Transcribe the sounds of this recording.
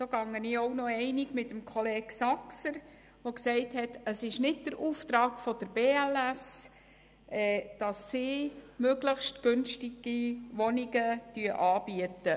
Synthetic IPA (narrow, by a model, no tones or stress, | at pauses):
d̥oːɡɑŋːəniːoʊnɔɛɪnɪɡmɪtəmkʰɔleːɡ̥sɑksəɾ | ʋoksɛɪthɛtəsɪʃnɪd̚d̥əɾuːft̪ɾɑːkfɔd̥əɾb̥eːælæs | ɛːd̥ɑsːɪːmøɡləχʃtɡ̥ʏnʃtɪɡ̥iʋɔniɡətyəʔɑːb̥iətə